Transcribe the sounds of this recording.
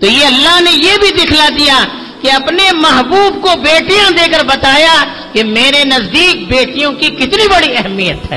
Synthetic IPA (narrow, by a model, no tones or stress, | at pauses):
t̪oːjeɐlːaɦnejebʱid̪ɪkʰlad̪ija | keɐpnemɐɦbuːb̚kobeːʈijãd̪eːkəɾbɐt̪aːja | kemẽːɾenɐzd̪iːk̚beːʈijõkikɪt̪nibɐɽiɛɦɛmijət̪ɦɛ̰ː